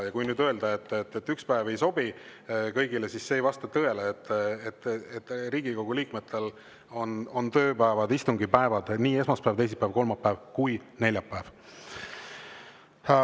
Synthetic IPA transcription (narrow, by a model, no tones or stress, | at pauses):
jɑkujnyːd̪̥ø̞e̞ld̪̥ɑe̞t̪ːˑet̪ːet̪ːykspæeve̞jso̞bikɤ̞jɡile̞sisːeːjvɑst̪ɑt̪ɤe̞leːt̪ːˑet̪ːet̪ːriːɡiko̞ɡ̥uliːkmet̪ʰːˑe̞l | o̞no̞nt̪ø̞ːpæevɑd̪ist̪uŋɡipæevɑd̪̥niːe̞smɑspævt̪e̞js̬ipæevko̞lmɑpːæevkujne̞lʲjɑpːæv